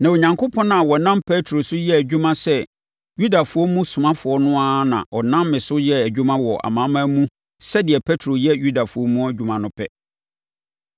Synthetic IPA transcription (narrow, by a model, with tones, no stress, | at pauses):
nã˨o˨ɲã˨ŋkʰʊ˦pʰɔ̃˦na˨wɔ˨nã˦mpʰɛ˦tʰɾo˨sʊ˦jɛ˦æ˨d͡ʑᶣu˦mã˦sɛ˦ | ju˦da˨fʊ˨ɔ˦mũ˦sʊ˨mã˦fʊ˨ɔ˦nʊ̃˦a˦nã̰˨ʔɔ˨nã˦mːɪ̃˨sʊ˦jɛ˦æ˨d͡ʑᶣu˦mã˦wɔ˨ʔa̰˨mãː˨˦mã˦mũ˦ | sɛ˦dɪ˨ɛ˨pʰɛ˦tʰɾo˨jɛ˦ju˦da˨fʊ˨ɔ˦mũ˦æ˦d͡ʑᶣu˦mã˨nʊ̃˦pʰɛ̰˦